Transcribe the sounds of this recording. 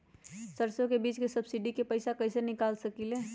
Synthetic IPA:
səɾsõkebiːt͡ʃkesɐbsiɖikepəɪsakəɪsenɪkaːlsəkileː

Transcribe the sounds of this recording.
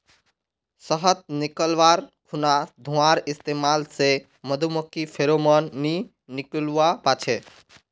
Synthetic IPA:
səɦət̪̚nɪkəlʋaɾkʰunad̪ʱũaɾɪst̪emalse | məd̪ʱuməkːipʰeɾomənːi | nɪkluapat͡ʃʰe

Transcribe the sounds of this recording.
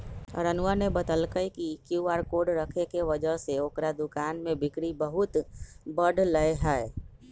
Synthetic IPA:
ɾənʊanebət̪əlkəikikjuaːɾkoːɖɾəkʰekeʋəd͡ʒəɦseoːkɾad̪ʊkaːnmẽbɪkɽibəɦʊt̪bəɖʱləeɦɛ

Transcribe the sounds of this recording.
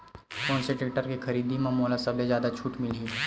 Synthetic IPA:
kɔ̃ːnseʈek̚ʈəɾkikʰɐɾiːd̪imãmoːlasɐblezjaːd̪at͡ʃʰuːʈmɪliː

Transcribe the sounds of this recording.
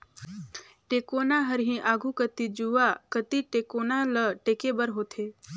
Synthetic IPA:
ʈeːkoːnaɦəɾɦĩʔaːɡʱukət̪id͡ʒuakət̪iʈeːkoːnaləʈeːkebəɾɦoːt̪ʰeː

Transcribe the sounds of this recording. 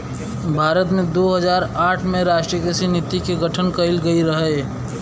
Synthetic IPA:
bʱaːɾət̪mẽd̪oɦəd͡ʒaːɾaːʈʰmẽɾaːʃʈɾiəkəsinɪt̪ikeɡəʈʰənkəɪlɡəiɾəɦɛ

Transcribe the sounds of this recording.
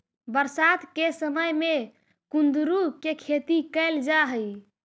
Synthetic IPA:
bəɾsat̪kesəməjme | kund̪ɾukekʰet̪ikəɪld͡ʒaɦəj

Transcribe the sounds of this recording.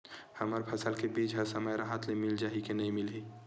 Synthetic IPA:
həməɾpʰɐsəlkebiːd͡ʒɦəsəməjɾaɦat̪lemɪld͡ʒaːɦikenɐɦĩmɪlɦi

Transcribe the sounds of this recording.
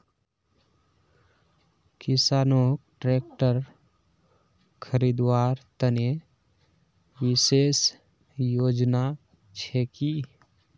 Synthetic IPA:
kɪsaːnokʈɾeːk̚ʈəɾ | kʰəɾid̪waːɾt̪əne | wɪseːs | joːd͡ʒna | t͡ʃʰɛki

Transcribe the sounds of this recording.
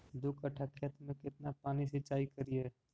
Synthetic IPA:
d̪ʊkʰəʈʰəkʰjət̪mẽkɪt̪napaːnisɪt͡ʃaːikəɾiɛː

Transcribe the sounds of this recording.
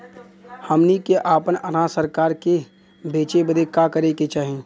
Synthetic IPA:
həmnikeʔaːpənɐɾãsəɾkaːɾke | beːt͡ʃebəd̪ʱekakəɾeket͡ʃaːɦẽː

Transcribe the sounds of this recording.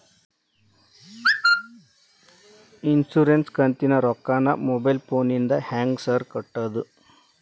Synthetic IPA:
insuɾenskənt̪inaɾɔkːana̰mobajlponind̪ahæ̃ŋɡsəɾkəʈːəd̪u

